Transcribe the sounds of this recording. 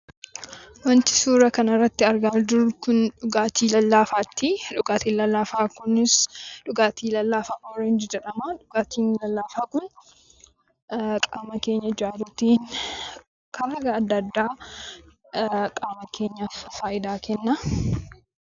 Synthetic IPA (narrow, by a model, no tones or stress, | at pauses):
wɐnt̪ɪ̥suːɾɐkɐnɐrːɐt̪ːɪɐɾɡaːd͡ʒʊɾkʊnᶑʊɡaːt̪iːlɐlːaːfaːt̪ːiᶑʊɡaːt̪iːnlɐlːaːfaːkʊnɪsᶑʊɡaːt̪ʰiːlɐlːaːfaːʔɔːɾɐɪnd͡ʒɛd͡ʒɛᶑɐmaᶑʊɡaːt̪ʰiːnlɐlːaːfaːkʊn | kʼaːmɐke̞ːɲːɐd͡ʒaːɾʊt̪iːn | kʰɐɾɐɡɐːd̪ːɐd̪ːaː | kʼaːmɐke̞ːɲːɐfaːʔɪd̪aːkɛnːɐ